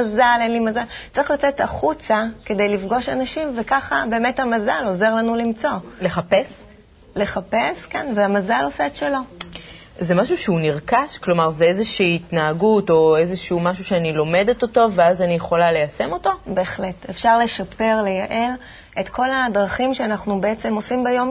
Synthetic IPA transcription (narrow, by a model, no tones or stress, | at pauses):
azalenlimazalt͡sʁiχlat͡seta̰χut͡sake̞de̞jlifɡo̞ʃanaʃimvekaχabe̞ːme̞thamazalo̞ze̞ʁlanulimt͡so̞leχapes | le̞χape̞skanveamazalo̞seːtʃelo̞ | zemaʃuʃeuniʁkaʃklo̞maʁzeezeʃiːitnaaɡuto̞ezeʃiumaʃuʃeanilo̞me̞deto̞to̞veazanijeχo̞lale̞jase̞mo̞to̞be̞ːχle̞tefʃaʁle̞ʃape̞ʁlejaʔe̞l | etkʰo̞ladʁaχimʃeanaχnube̞et͡se̞mo̞simbajo̞m